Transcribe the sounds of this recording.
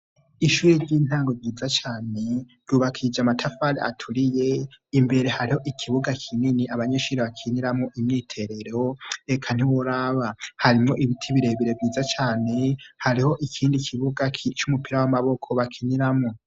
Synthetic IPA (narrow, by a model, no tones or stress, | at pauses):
iʃuːɾiɾɟiːn̥aːŋɡo̞vɟiːzat͡ʃaːne̞ɾɟuβakʰid͡ʒamatʰafaɾea̰tʰuɾije̞imbe̞ɾe̞haɾiho̞ʔikʰiβuɡakʰininiʔaβaɲeʃuːɾeβakʰiniɾamŋoʔimɲiːtʰe̞ɾe̞ɾooekʰan̥iwoɾaβahaɾimŋo̞ʔiβitʰiβiɾe̞βiɾeviːzat͡ʃaːne̞haɾiho̞ʔikʰiːndikʰiβuɡakʰit͡ʃumupʰiɾawamaβo̞kʰo̞βakʰiniɾamŋo